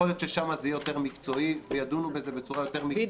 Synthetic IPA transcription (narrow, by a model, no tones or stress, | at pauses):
olijo̞t̪ʃeʃamazeejot̪e̞ʁmikt͡so̞ivejad̪unubeze̞bet͡suʁajo̞t̪e̞ʁmi